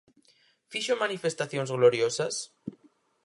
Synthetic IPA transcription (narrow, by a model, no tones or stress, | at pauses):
fiʃomanife̞st̪aθjonzɣloɾjosas